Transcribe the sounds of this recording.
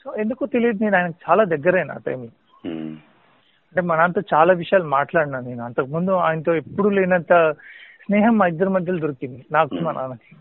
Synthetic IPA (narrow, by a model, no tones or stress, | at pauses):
soːend̪ukuːt̪ilid̪niːnaːjɐnɐkt͡ʃaːlaːd̪ɐɡːɐɾeːna̰ːʈɐ̰jmlu | ɐɳʈemɐnɐnt̪ɐt͡ʃaːlaːʋiʂjaːlmaːʈlaːɽnaniːnuɐnt̪ɐkːɐmund̪ua̰ːjnt̪oːepːuɽuːleːnɐnt̪ɐsneːɦɐmːaːid̪ːɐɾɐmɐd̪ʱjɐld̪uɾikːind̪inaːkumɐnʔa̰ːnɐki̥